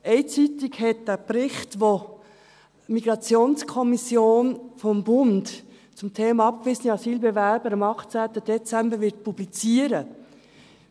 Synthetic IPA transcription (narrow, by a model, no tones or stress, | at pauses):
ɛɪt͡sitɪkhɛt̚d̥æprɪχtʋo | miɡ̥ɾɑt͡sjoːnskʰɔmisjoːnfɔmbʊnd | t͡sʊmtʰeːmɑɑp̚kʋiːsəniɑsiːlbɛʋæɾbəɾɑmɑχt͡sæːt̪əd̥ɛt͡sæmbəɾʋɪt̚pʰublit͡siəɾə